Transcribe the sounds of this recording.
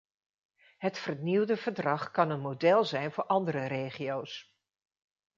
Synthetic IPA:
ɦətfəɹniwdəvəɹdrɑχkɑnənmodɛlˠzɛjnvʊːɹʔɑndərəɾejχiows

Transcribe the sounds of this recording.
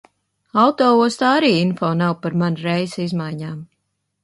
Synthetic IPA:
awt̪ɔːuɔst̪aːaɾiːinfɔːnawpaɾmanɾɛjzizmajɲaːm

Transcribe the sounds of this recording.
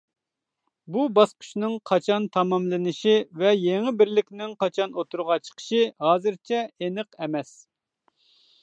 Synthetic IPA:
bubɑsqʰʊ̥ʃnɨŋqʰɑt͡ʃʰɑnt̪ʰɑmɑmlˠɨnɨʃivɛjeŋɪbɪɾlɪkʲnɪŋqʰɑt͡ʃʰɑnot̪ʰuɾʁɑt͡ʃʰə̥qʰə̥ʃɨhɑːzɨɾt͡ʃʰɛenɨqɛmɛs

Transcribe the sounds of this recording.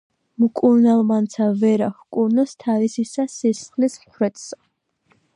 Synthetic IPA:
mkʼuɾnalˠmant̪sʰavɛɾaχkʼuɾnɔst̪ʰavisisasisχlismχɾɛt̪ʰsa

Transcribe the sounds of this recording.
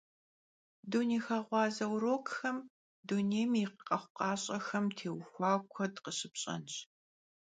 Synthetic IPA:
duniːxaʁʷɑːzɐwɾoːkxɐm | duneːjmɪqəqʼɐχʷʊqɑːɕʼɐxɐmtʰeːwxʷɑːkʷʰɔdqəɕɪpɕʼɐ̰nɕ

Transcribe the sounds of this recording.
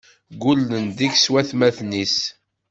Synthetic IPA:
ɡulːənd̪içswæθmæθnis

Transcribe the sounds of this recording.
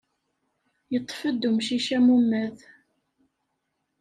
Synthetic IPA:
jət̪ˤːfəd̪ːumʃiʃæmumːæð

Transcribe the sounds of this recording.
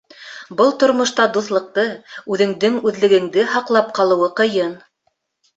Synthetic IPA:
bɤlˠt̪ŏɾmŏʃt̪ɑd̪uθlˠɤ̆q̚t̪ɤʉðɘ̆ŋd̪ɘŋʉðlɘ̆ɡɘ̆ŋd̪ɘɦɑqlˠɑp̚qɑlˠɤ̆wɤqɤ̆jɤn

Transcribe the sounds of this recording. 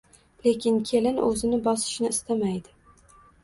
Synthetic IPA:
lekʲʰɪnkʲʰe̞lɪnʔɵ̰zɪnɪbɒsɪ̥ʃnɪːst̪ʰamajd̪ɪ

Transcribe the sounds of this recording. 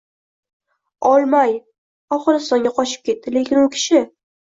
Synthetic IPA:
ɒlˠmaj | ɒχɨɾɪst̪ɒŋɡʲaqʰɒʃɪ̥p̚kʲʰe̞t̪̚ːɪle̞kʲɪnʊkʲʰɪ̥ʃɪ

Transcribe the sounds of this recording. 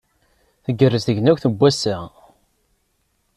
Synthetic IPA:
θəɡːərːəzθəʝnækʷθəbʷːæsæ

